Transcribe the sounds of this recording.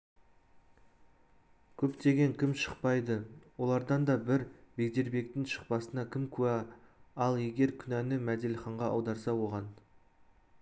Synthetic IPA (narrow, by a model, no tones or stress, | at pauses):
kʲʰɵpt̪e̞ɡʲe̞ŋkʲʰɪmʃəq̚pɑjd̪əwo̞lˠɑɾd̪ɑnd̪ɑbɪɾbe̞kd̪e̞ɾbe̞k̚t̪ɪŋʃə̥q̚pɑsənɑkʲʰɪmkʲʰʉæɑlˠje̞ɡʲe̞ɾkʲʰʏnænɪmæd̪e̞lχɑɴʁɑɑwd̪ɑɾsɑwo̞ʁɑn